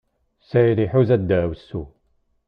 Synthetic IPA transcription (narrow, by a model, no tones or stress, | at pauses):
sæjðiħuzæd̪ːæwəsːu